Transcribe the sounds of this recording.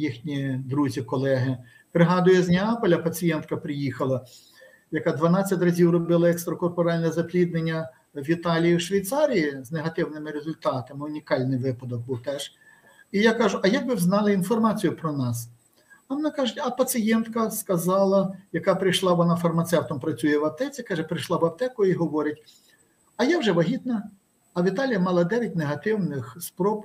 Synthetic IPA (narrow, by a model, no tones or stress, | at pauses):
jixnʲid̪ɾuzʲikɔlˠɛɦɪ | pɾɪɦɑd̪ʊjɛzʲnʲɐɑpɔlʲɐpɐt͡sʲijɛnt̪̚kɐpɾɪjixɐlˠɐ | jɐkɑd̪ʋɐnɑt͡sʲːɐtʲrɐzʲiwrɔbɪlˠɐɛkst̪ɾɐkɔrpɔɾɑlʲnɛzɐplʲid̪nenʲːɐ | ʋʲit̪ɑlʲijiwʃʋʲɐjt̪sɑɾʲijizneɦɐt̪ɪwnɪmɪɾezʊlʲt̪ɑt̪ɐmɪʊnʲikɑlʲnɪjʋɪpɐd̪ɔɡ̚buwt̪ɛʒ | ijakɑʒʊʔɐjɐk̚bɪwznɑlˠɐinfɔrmɑt͡sʲijʊpɾɔnɑs | ɐmenakɑʒʊtʲɐpɐsɪjɛnt̪kɐskɐzɑlˠɐjɐkɑpɾɪjʃlˠɑʋɔnɑfɐrmɐt̪sɛwt̪ɔmpɾɐt͡sʲujɛʋɐp̚t̪ɛt͡sʲikɑʒɛpɾɪʃlˠɑbɐpt̪ɛkʊiɦɔʋɔɾʲɪtʲ | ɐjawʒɛʋɐɦʲit̪nɐː | ʋʲit̪ɑlʲijɐmɑlˠɐd̪ɛʋʲɐt̚ʲneɦɐt̪ɪwnɪxspɾɔp